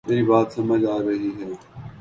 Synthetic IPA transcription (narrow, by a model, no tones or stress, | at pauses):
meːɾiːbaːt̪sɐməd͡ʒaːiɾɐɦiːɦɛː